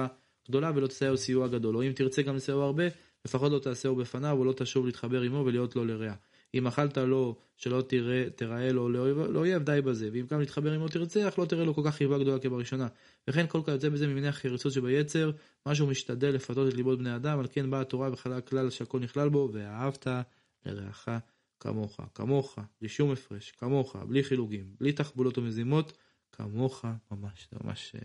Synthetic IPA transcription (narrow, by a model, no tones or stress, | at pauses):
a | ɡ̥d̪o̞lavelo̞t̪i̥saesijuaɡad̪o̞loimt̪iʁt͡se̞ɡamlesauaʁbe̞ | le̞faχo̞t̪lo̞t̪aːse̞ubefanavolo̞t̪aːʃuvliːt̪χabe̞ʁimo̞velijo̞t̪lo̞leʁea | imaχaltalo̞ | ʃe̞lo̞t̪iʁe̞t̪eʁae̞lo̞leoleoje̞vd̪ajbaze̞veimɡamliːt̪χabe̞ʁimo̞t̪iʁt͡se̞aχlo̞t̪iʁeloko̞lkaχːivaɡd̪o̞lakebaʁiʃo̞na | veχe̞nko̞lkaχjot͡se̞bezemimineaχeʁit͡sut̪ʃebaje̞t͡se̞ʁ | maʃ̬eumiʃt̪ad̪elːe̞fat̪o̞t̪etlibo̞t̪̚bnead̪amalke̞nbaːt̪o̞ʁaveχalaklalʃeako̞lniχlalbo̞veaɦavt̪a | lḛʁḛa̰χa | ka̰mo̞χa̰ka̰mo̞χab̥liʃumefʁe̞ʃkamo̞χa̰bliχiluɡimblit̪aχbulo̞t̪ome̞zimo̞t̪ | kʰa̰mo̞χamamaʃma̰mʔa̰ʃ